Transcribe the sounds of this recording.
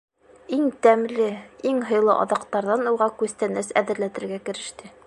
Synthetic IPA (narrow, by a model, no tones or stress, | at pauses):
iŋt̪æmlɘiŋɦɤ̆jlˠɤ̰ʔɑ̰ðɑqt̪ɑɾðɑnuʁɑkʉst̪ænæsæ̰ðɘ̆ɾlæt̪ɘ̆ɾɡækɘ̆ɾɘ̆ʃt̪ɘ